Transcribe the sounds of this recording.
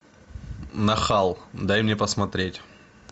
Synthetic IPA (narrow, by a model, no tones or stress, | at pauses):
nɐxalˠd̪ajmnʲepəsmɐt̪ɾʲetʲ